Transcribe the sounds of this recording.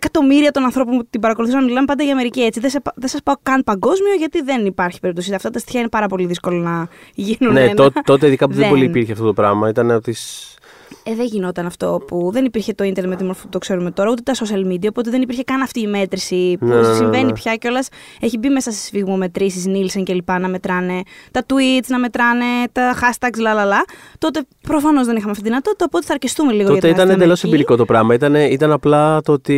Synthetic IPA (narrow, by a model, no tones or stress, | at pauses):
kɐt̪o̞miɾiɐt̪o̞nɐnθɾo̞pomput̪ibɐɾɐkoluθusɐnmilɐmpɐnd̪ɐʝɐme̞ɾiciet͡siðesɐðesɐspɐokɐnpɐŋɡo̞zmio̞ʝɐt̪iðe̞nipɐɾçi̥peɾip̚t̪os̬it̪ɐft̪ɐt̪ɐst̪i̥çɐine̞pɐɾɐpo̞liðisko̞lonɐʝinuneenoɐt̪o̞t̪eiðikɐpuðebo̞liːpiɾçeɐft̪ot̪opɾɐmɐit̪ɐneot̪is | eðeʝino̞t̪ɐnɐft̪o̞̰puðe̞nipiɾçe̞t̪o̞int̪eɾnet̪imoɾfopt̪o̞kse̞ɾume̞t̪o̞ɾɐut̪et̪ɐsos̬iɐlmid̪iɐopot̪eðenipiɾçe̞kɐnɐft̪iːme̞t̪ɾisinesĩve̞nipçɐceo̞lɐse̞çibime̞sɐst̪i̥sfiɣmome̞t̪ɾisiznilseŋce̞lipɐnɐme̞t̪ɾɐne̞t̪ɐt̪uit̪snɐme̞t̪ɾɐne̞t̪ɐxɐst̪ɐkslɐlɐlɐt̪o̞t̪e̞ | pɾo̞fɐno̞zðe̞nixɐmeɐft̪iðinɐt̪o̞t̪it̪ɐopo̞t̪eθɐɾcist̪umeliɣooɐt̪eit̪ɐned̪elosembiɾiko̞t̪o̞pɾɐmɐit̪ɐneit̪ɐnɐplɐt̪oot̪i